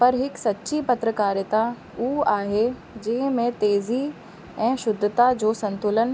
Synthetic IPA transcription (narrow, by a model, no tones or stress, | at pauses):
pɐɾɦɪksɐtːɕipɐt̪ɾəkaːɾjət̪a | uːaːɦe | d͡ʑɐ̃ɦɪ̃mẽt̪eːzi | ɛ̃ːʃʊd̪ʱːət̪ad͡ʑoːsɐ̃nt̪ʊlən